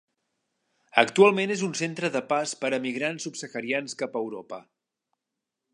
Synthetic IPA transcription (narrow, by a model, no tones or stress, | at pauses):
əkt̪ualˠmenezunsent̪ɾəðəpaspəɾəmiɣɾansupsəxəɾianskapəwɾo̰pə